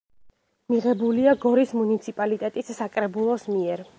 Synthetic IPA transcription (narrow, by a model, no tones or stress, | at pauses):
miʁɛbuliaɡɔɾismunit̪sʰipʼalit̪ʼɛt̪ʼisːakʼɾɛbulˠɔsmiɛɾ